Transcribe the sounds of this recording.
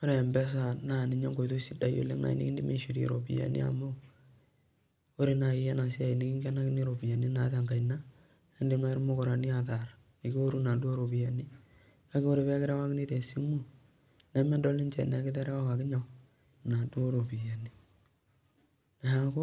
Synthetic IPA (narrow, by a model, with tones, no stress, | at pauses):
o˦ɾe˨mbɛ˦s̬a˨na˦˨ni˨ɲo˦ŋɡo˨jto˦si˦da˨jo̰˨lḛ˦na̰˨ḭ˦nḭ˦ki˦di˦mḛ˨ʃi˨ɾḭ˨ɾo̰˨pḭ˨ja̰˨nḭ˦a̰˨mo˦ | o˦ɾe˨na˨ɪ˨˦jɛ˦na˨si˦a˨i˨ni˦ki˦ŋɡɛ˦na˦kɪ˦ni˦ɾo˨pi˨ja˨ni˦na˨˦ta˨ŋɡa˨jna˦ | e˦ndi˨ma˦ɾmu˦ko˨ɾa˨ni˦a˨ta˨ɾ | ni˨ki˦o˦ɾu˦na˨du˦o˦ɾo˨pi˨ja˨ni˦ | ka˦kɪ˦o˦ɾe˨βɛ˦kɪ˦ɾa˦wa˦kni˦te˨si˦mu˦ | nɛ˨˦mɛ˦ndɔ˦li˦nt͡ʃɛ̰˨nɛ˨kɪ˦tɛ˦ɾa˦wa˦wa˨kɪ˦ɲa˨ | na˨du˦o˦ɾo˨pi˨ja˨ni˦ | na˨ja˦ko˦